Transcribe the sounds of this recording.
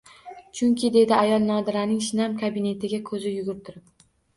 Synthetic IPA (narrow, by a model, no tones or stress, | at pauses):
t͡ʃʰʊŋkʲɪd̪e̞d̪ɪajɒlˠnɒd̪ɪɾanɪŋʃɪnamkʰabɪne̞t̪ʰɪɡʲakʰɵzɪjʊɡʲʊɾɪt̪ʰʊɾɪp